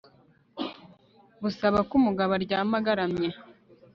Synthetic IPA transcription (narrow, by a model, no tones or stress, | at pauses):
βusaβakumuɡaβaɾɟaːmaɡaɾamɲe